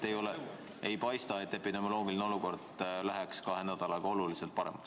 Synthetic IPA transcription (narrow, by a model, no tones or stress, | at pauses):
e̞jo̞le | ʔe̞jpɑjst̪ɑe̞t̪ːe̞pid̪e̞mo̞lo̞ːɡ̥ilineo̞luko̞rd̪læɦekskɑɦenæd̪̥ɑlɑɡ̥ɑo̞luliselt̪̚pɑɾemɑks